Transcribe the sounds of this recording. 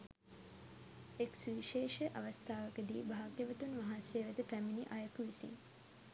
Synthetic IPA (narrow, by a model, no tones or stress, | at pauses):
eksʋiʃeːʃəʔɐʋɐst̪ʰaːʋəkəd̪iːbʱaɦːɡjəʋət̪unʋaɦaːnsjeːʋæd̪əpɾæminiʔajɐkuʋisḭŋ